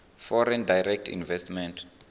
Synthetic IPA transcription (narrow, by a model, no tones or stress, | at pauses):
fɔɾɛndajrɛk̚tʰḭnvɛstmɛ̃ntʰ